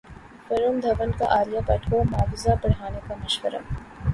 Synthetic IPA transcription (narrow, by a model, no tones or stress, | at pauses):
fɐɾumd̪ʱɐʋənka̰ʔaːlijapɛːʈʰkomɦaːfɪzapɐɽ̤aːnekamɪʃkəɾə̰m